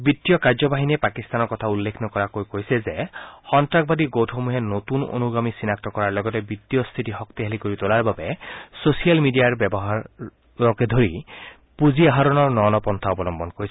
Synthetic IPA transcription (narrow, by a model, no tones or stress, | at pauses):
bit̪ːijɔkaɹzɔbaɦinɛpakist̪anɔɹkɔtʰaulːekʰnɔkɔɹakojkojsɛzɛxɔntɹak̚badiɡowtʰɦomuɦɛnotuno̰nuɡamisinak̚tɔkɔɹaɹlɔɡɔtɛbitːijɔst̪ʰitixɔkt̪iɦalikoɹitolaɹbabɛsosijalmidijaɹbɛbɔɦaɹː | ɔkɛd̪ʱoɹi | puziaɦaɾɔnɔɹnɔnɔpɔnt̪ʰaɔbɔlɔmbɔnkoɹis